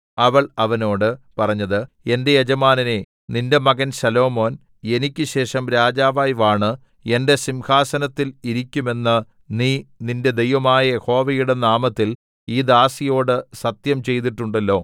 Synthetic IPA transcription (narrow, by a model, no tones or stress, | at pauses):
ɐʋɐɭɐʋɐno̞ːɽɨpɐrɐɲːɐðɨ | e̞nde̞jed͡ʑɐmaːnɐne̞ | ninde̞mɐɡɐnsɐlo̞ːmo̞ːn | e̞nikʲːɨɕe̞ːʂɐmɾaːd͡ʑaːʋaːjʋaːɳɨ | e̞nde̞simhaːsɐnɐt̪ːiliɾikʲːume̞nːɐ | niːninde̞d̪e̞jʋɐmaːjɐjeho̞ːʋɐjuɽe̞naːmɐt̪ːil | iːd̪aːsijo̞ːɽɨsɐt̪jɐmt͡ɕe̞jt̪̬iʈːuɳɖɐlːo̞ː